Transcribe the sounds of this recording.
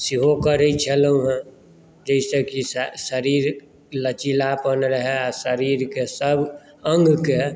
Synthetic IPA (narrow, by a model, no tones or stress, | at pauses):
siɦokəɾəit͡ʃʰeləũɦɛ̃ | d͡ʒəisəkissəɾiːɾ | lət͡ʃilapənɾəɦɛasəɾiːɾkesəb | əŋɡʱke